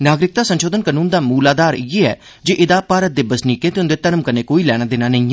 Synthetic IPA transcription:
naːɡɾɪk̚t̪aːsənʃoːd̪ənkənuːnd̪aːmuːlaːd̪aːɾɪeɛ̰ː | d͡ʒeːʔɪd̪aːpaːɾət̪̚d̪eːbəsniːkẽːt̪eːʊnd̪eːt̪əɾəmkənẽːkoːiːlɛːɽ̃aːd̪ɪnaːnəĩː

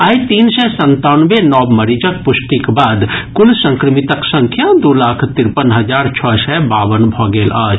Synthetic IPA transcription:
aːit̪iːnsɛsə̃nt̪anʋenɔːbməɾid͡ʒəkpʊsʈikbaːd̪kʊlsə̃ŋkɾɪmit̪əksə̃ŋkʰjad̪ulaːkʰt̪ɪɾpənɦəd͡ʒaːɾt͡ʃʰɔsɛbaːʋənbʱɔːɡeːlaːd͡ʒ

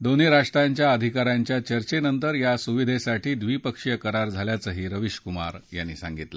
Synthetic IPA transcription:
d̪oneɾaʂʈ̪ɾaɲt͡ɕjaəd̪ʱikaɾaɲt͡ɕjat͡ɕəɾt͡ɕenənt̪əɾjasuʋid̪ʱesaʈiːd̪ʋiːpəkʂjəkəɾaɾd͡zʱaljat͡səɦiːɾəʋiɕkuma̰ɾja̰nːiːsã̰ŋɡit̪lə

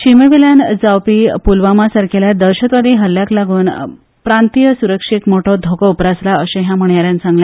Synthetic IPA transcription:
ɕimeʋiljand͡zawpiːpulʋamasaɾkʰeljad̪əɾɕət̪ʋəd̪ʱiɦəlːjaklaɡuːn | pɾant̪ijəsuɾəkʂikmoʈʰɔd̪ʱokɔupɾaslaəɕə̃ɦjam̤əɳjaɾjant͡sãŋɡlẽ

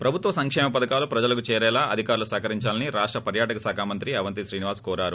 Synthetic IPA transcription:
pɾɐbʱut̪ʋɐsɐŋkʂɛːmɐpɐd̪ɐkaːlupɾɐd͡ʒɐlɐkut͡ʃɛːɾɛːlaːʔɐd̪ʱikaːɾulusaːkɐɾiɲt͡ʃaːlɐniɾaːʂʈɾɐpɐɾjaːʈɐkɐsaːkʰaːmɐnt̪ɾiɐʋɐnt̪iʃɾiːniʋaːskɔːɾaːɾu

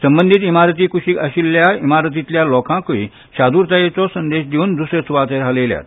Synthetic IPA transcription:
sə̃mbənd̪ʱit̪imaɾət̪iːkuɕiʔəɕilːjaimaɾət̪̬it̪ljalɔkãkʋḭ | ɕad̪uːɾt̪ajet͡sɔsə̃nd̪eɕd̪euːnd̪usɾet͡suʋat̪eɾɦalelja̰t̪̚

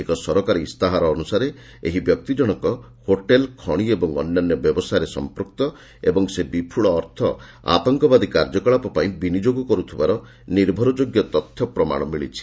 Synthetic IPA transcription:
ekɔsɔɾɔkaɾist̪aɦaɾɔːnusaɾe | ḛɦibjɔk̚t̪id͡ʒɔɽ̃ɔkɔ | hoʈelkʰɔɽ̃iebɔŋɔ̰nːanːjɔbjɔbɔsajɾesɔ̰mpɾuk̚t̪ɔ | ebɔŋsebipʰuɭɔːɾt̪ʰɔ | a̰t̪ɔŋkɔbad̪ikaɾd͡ʒɔkɔɭapɔpaĩbinid͡ʒoɡɔkɔɾut̪ʰibaɾɔ | niɾbʱɔɾɔd͡ʒoɡjɔt̪ɔt̪ʰjɔpɾɔma̰ɽ̃ɔmiɭit͡ʃʰi̥

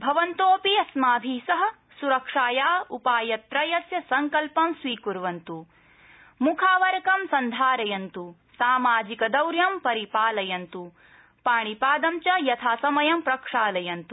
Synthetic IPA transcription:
bʱɐʋɐnt̪oːpiɐsmaːbʱiːsɐɦɐ̆ | suɾɐkʂaːjaːupaːjɐt̪ɾɐjɐsjɐsɐŋkɐlpɐmsʋiːkuɾʋɐnt̪u | mukʰaːʋɐɾɐkɐmsɐnd̪ʱaːɾɐjɐnt̪u | saːmaːd͡ʒikɐd̪ɐwɾjɐmpɐɾipaːlɐjɐnt̪u | paːɳ̃ipaːd̪ɐmt͡ʃɐjɐt̪ʰaːsɐmɐjɐmpɾɐkʂaːlɐjɐnt̪u

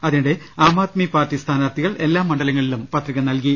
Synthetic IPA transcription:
ɐðinuɽe̞ | aːmaːt̪mipaːrtːist̪ʰaːnaːrt̪ʰːiɣɐɭe̞lːaːmːɐɳɖɐlɐŋːɐɭilumpɐt̪riɣɐnɐlki

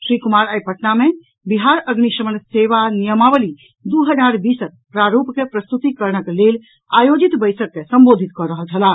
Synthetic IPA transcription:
sɾikumaɾajpəʈname | biɦaɾəɡniʃəmənseʋanijəmabəli | d̪uɦəd͡ʒaɾbisək̚pɾaɾupkepɾəst̪ut̪ikəɾnəklel | ajod͡ʒit̪bəjsəkːesəmbod̪ʱit̪̚kɔɾəɦəlt͡ʃʰəla

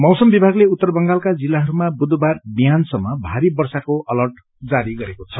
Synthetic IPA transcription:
mʌwsʌmbibʱaɡleut̪ːʌrbʌŋɡalkad͡zilːaɦʌɾumabud̪barbijansʌmːʌbʱaɾibʌrsakoʔʌlʌrʈ | d͡zaɾiɡʌɾekot͡sʰʌ

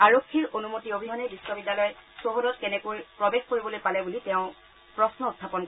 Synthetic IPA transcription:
aɹokʰːiɹonumotiobʱiɦɔnɛbisːɔbidːalɔjsoɦodɔt̚kɛnɛkojpɹɔbexkoɹibɔlojpalɛbulitɛʊ̃ | pɹɔsnɔutʰːapɔnkɔɛ

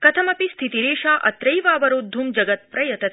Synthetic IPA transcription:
kɐt̪ʰɐmɐpist̪ʰit̪iɾeːʃaːʔɐt̪ɾɐjʋaːʋɐɾud̪ʱːumd͡ʒɐɡɐt̪̚pɾɐjɐt̪ɐt̪ʰ

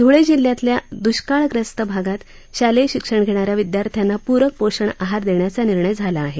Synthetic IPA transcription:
d̪ʱoɭed͡ʑiljat̪ljad̪uɕkaɭkɾəst̪əbʱaɡat̪ | ɕaleɕikʂəɳɡʱeɽ̃aɾjaʋid̪jaɾt̪ʰjanːapuɾək̚poɕəɳaɦaɾd̪eɳjat͡saniɾɳəjd͡zʱalaːɦe

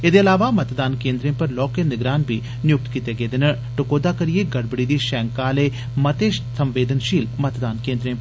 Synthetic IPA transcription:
ed̪eːɐlaːʋaːmət̪d̪aːnkẽːnd̪ɾẽːpəɾlɔːkeːnɪɡɾaːnbʱiː | nɪjʊk̚t̪kit̪eːɡeːd̪enəɾ | ʈʊkoːd̪aːkəɾijeːɡəɽbəɽiːd̪iːʃɛːŋkaːleː | mət̪eːʃsəmʋeːd̪ənʃiːlmət̪d̪aːnkẽːnd̪ɾẽː

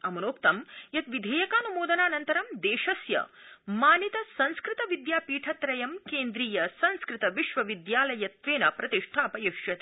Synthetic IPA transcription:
ɐmɐnoːkt̪ɐmjɐt̪ʋid̪ʱeːjɐkaːnumoːd̪ɐnaːnɐnt̪ɐɾɐmd̪eːʃɐsjɐ̰maːnit̪ɐsɐ̃nskɾɪt̪ɐʋid̪jaːpiːʈʰɐt̪ɾɐjɐmkeːnd̪ɾiːjɐsɐ̃nskɾɪt̪ɐʋiʃʋɐʋid̪jaːlɐjɐt̪ʋeːnɐpɾɐt̪iʂʈʰaːpɐjɐʃjɐt̪ː

